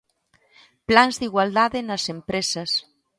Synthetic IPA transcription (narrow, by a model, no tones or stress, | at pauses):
planzðiɣwald̪aðenasempɾesɐs